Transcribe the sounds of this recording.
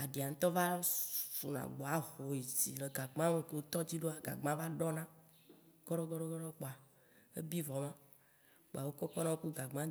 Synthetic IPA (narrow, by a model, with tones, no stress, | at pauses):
a˨ɖi˨a˨ŋ̩̃˦t̪ɔ˦va˦fu˨nã̰˨ɡ͡bo˨a˦ho˨i˨sḭ˨le˨ɡa˨ɡ͡bã˦me˦ke˨wo˦t̪ɔ˦d͡ʑi˦ɖo˦a˨ɡa̰˨ɡ͡bã˦va˦ɖɔ˦nã˦ | ɡ̥ɔ˦ɖɔ˦ɡɔ˦ɖɔ˦ɡɔ˦ɖɔ˦k͡pɔ˨a˨ | e˦bi˦vɔ˨mã˦ | k͡po̰˨a˨wo˦kɔ˦kɔ˦nã˦wo˦ku˦ɡa˨ɡ͡bã˦